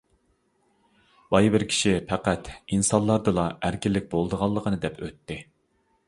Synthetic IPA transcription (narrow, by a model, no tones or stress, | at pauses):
b̥ɑjbɪɾkʲʰi̥ʃipʰæqæt̪insɑnlˠɑɾd̪ɨlˠɑʔæɾkʲɪlːɪk̚ʲbolˠd̪əʁɑlˠːəqʰənɨd̪ɛpʰø̰t̪ːɪ